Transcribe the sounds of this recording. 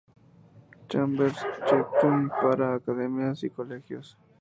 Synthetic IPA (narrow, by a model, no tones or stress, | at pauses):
t͡ʃambeɾst͡ʃep̚t̪uŋkaɾaːkaðemjasikolexjos